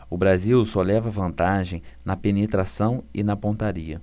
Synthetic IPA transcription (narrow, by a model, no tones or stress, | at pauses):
ʊbɾaziwsɔlɛvɐvɐ̃nt̪aʒẽj̃nɐpenet̪ɾasɐ̃w̃ɪnɐpõnt̪aɾiɐ